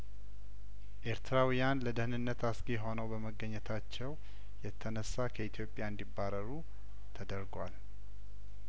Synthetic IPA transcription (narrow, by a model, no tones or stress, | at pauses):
ʔe̞ɾt̪ʰɾawijanləd̪əhɨnɨnːət̪ʰasɡeɦo̞nəwbəməɡːəɲːɛt̪ʰat͡ʃːɛw | jɛt̪ʰːənəsːakʰəit̪ʰjo̞pʼːjaɨnd̪ibːaɾəɾu | t̪ʰəd̪əɾɡwal